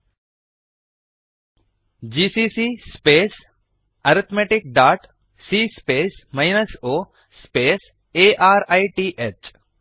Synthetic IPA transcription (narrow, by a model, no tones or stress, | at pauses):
d͡ʒiːsiːsiːspeːs | ɐɾɪt̪ʰmeːʈɪk̚ɖaːʈ | siːspeːsmaɪnəsoː | speːs | eːʔaːɾaiʈiːʔet͡ʃ